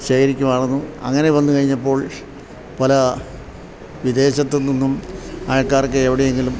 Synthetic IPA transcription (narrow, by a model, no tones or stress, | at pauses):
ɕeːkɐɾikʲːumɐːrunːuɐ̰ŋːɐneʋɐnːukɐɻiɲːɐpːo̞ːɭ | pɐlɐ | ʋid̪e̞ːɕɐt̪ːolnːinːumaːɭkːaːrkːeːʋiɽejeŋɡilum